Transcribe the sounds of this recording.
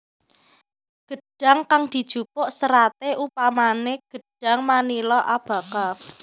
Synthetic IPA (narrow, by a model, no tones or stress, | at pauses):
ɡ̥ə̤ɖ̥a̤ŋkaŋd̪̥i̤d̥ʒ̥upʊʔsəɾat̪eʔupamaneɡ̥ə̤ɖ̥a̤ŋmanilɔʔab̥ä̤ka